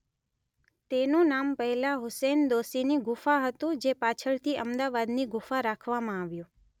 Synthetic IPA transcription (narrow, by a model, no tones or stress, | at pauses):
t̪enũnampəɦɛlaɦʊsend̪osiniɡʊfaɦət̪ũd͡ʒepat͡ʃʰəɭt̪ʰiəmd̪aʋad̪niɡʊfaɾakʰʋamãaʋjũ